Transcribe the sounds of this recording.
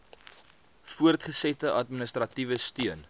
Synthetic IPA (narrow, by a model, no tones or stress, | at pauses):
fuərtχəsɛtəʔɐtminəstrɐtivəstyən